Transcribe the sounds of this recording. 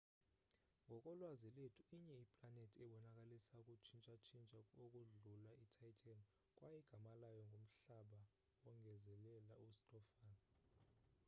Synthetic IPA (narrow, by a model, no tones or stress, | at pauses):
ŋɡʱɔkʼɔlwazɛletʰu̥iɲɛipʼlanetʰiɛɓɔnakʼalisaukʼut͡ʃʰint͡ʃʼat͡ʃʰint͡ʃʼakʼokʼuɮulaitʰajtʰʼan | kʼwʔajɛɡ̥ʱamalajɔŋɡʱom̩ɬaɓa | wɔŋʱɛzɛlɛlaustʼɔfaːn